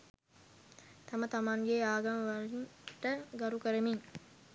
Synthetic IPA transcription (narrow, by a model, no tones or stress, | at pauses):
t̪amət̪amaŋɡeaːɡɐməʋalinʈəɡaɾukəɾəmiŋ